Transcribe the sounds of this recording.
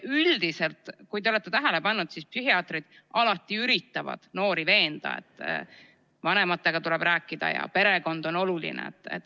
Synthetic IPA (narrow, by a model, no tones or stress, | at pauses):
yld̪̥ise̞lt̪ˑkujt̪eo̞le̞t̪ːˑe̞t̪æɦæle̞pɑnːud̪̥sispsyɦiɑːt̪rid̪̥ | ʔɑlɑt̪ːˑiyɾit̪ːɑvɑ̰d̪̥no̞ːɾive̞ːnd̪̥ɑ̰ḛt̪ːˑ | vɑne̞mɑt̪ːˑe̞ɡ̥ɑt̪ule̞b̥ɾæːkːˑid̪̥ɑ̰jɑ̰pe̞ɾe̞ko̞nd̪o̞no̞lulḭnḛḛt̪ːˑḛt̪ː